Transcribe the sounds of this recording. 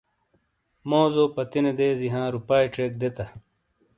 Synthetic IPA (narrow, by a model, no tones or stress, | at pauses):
moːzoːpɐt̪ined̪eːziɦãːɾupaːiʈeːk̚d̪et̪ɐ